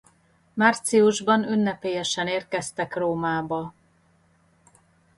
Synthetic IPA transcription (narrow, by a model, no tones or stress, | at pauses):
maːrt̪siuʒbɒnynːɛpeːjɛʃɛneːrkɛst̪ɛkroːmaːbɒ